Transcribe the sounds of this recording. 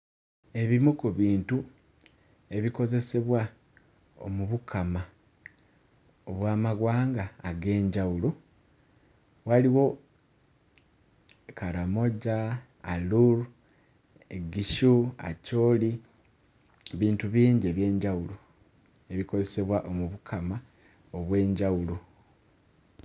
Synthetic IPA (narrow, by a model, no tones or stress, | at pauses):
e̞βimukuβiːntu | e̞βiko̞ze̞se̞βwa | o̰muβukʰːama | oβwaːmaɡwaːŋɡaːɡe̞ːɲɟawulo | waliwo̞ | kaɾamo̞ɟa | a̰luɾ | eɡiʃua̰co̞li | βiːntuβiːɲɟeβje̞ːɲɟawulo | e̞βiko̞ze̞se̞βwaʔo̞muβukʰama | o̞βwe̞ːɲɟawulo